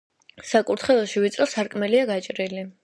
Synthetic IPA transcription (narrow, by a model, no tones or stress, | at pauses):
sakʼuɾt̪ʰχɛlˠɔʃivit̪sʼɾɔsaɾkʼmɛliaɡat͡ʃʼɾili